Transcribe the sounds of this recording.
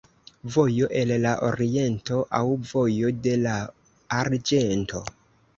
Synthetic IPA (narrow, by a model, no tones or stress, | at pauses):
vojo̞ʔe̞llaʔoɾie̞nto̞ʔawvo̞jo̞de̞laː | ɾd͡ʒe̞nto̞